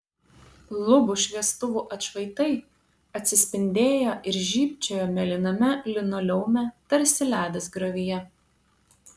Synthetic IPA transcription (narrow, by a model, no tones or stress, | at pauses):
lˠʊbʊʃʲʋʲiɛst̪ʊʋuːʔɐt̪ʃʋɐɪt̪ɐɪ | ɐt̪ʲsʲɪsʲpʲɪnʲd̪ʲeːjoːʔɪɾʒʲiːpʲt͡ʃʲoːjoːmʲɛlʲɪnɐmʲɛlʲɪnɔlʲɛʊmʲɛt̪ɐɾʲsʲɪlʲæːd̪ɐsɡɾɐʋʲɪjɛ